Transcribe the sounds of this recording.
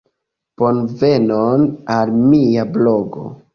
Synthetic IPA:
ponve̞nonalmijabloɡo̞̰

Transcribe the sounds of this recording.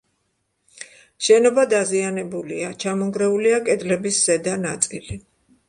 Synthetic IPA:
ʃɛnɔbad̪azianɛbuliat͡ʃʰamɔŋɡɾɛuliakʼɛd̪lɛbisz̥ɛd̪anat̪sʼili

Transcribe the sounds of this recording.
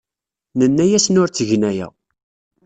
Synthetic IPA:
nənːæjæsnʊɾt͡sːəʝnæjæ̰

